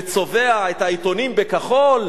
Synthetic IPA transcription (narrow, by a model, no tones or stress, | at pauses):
t͡so̞veaet̪hait̪o̞nimbekaχol